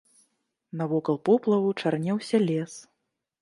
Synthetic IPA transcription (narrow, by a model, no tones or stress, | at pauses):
nɐvɔkɐlˠpɔplˠɐvut͡ʂarnʲɛwsʲɐlʲɛs